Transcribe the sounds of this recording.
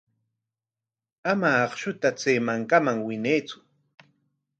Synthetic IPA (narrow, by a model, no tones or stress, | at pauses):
amaːχʃʊt̪at͡seːmaŋkamaŋwɪnejt͡sʊ̥